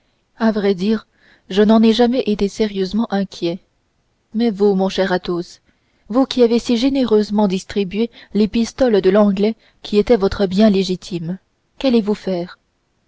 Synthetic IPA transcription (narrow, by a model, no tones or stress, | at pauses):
avʁɛd̪iːʁ | ʒənɑ̃nɛʒamɛʔet̪eseʁjøzmɑ̃ʔɛ̃kʲʰjɛ | mɛvumɔ̃ʃɛʁat̪os | vukʲiavesiʒeneʁøzmɑ̃d̪ist̪χibɥelepist̪ɔld̪əlɑ̃ɡlɛ | kʲʰiet̪ɛvɔt̪χəbjɛ̃leʒit̪ʰim | kalevufɛːʁ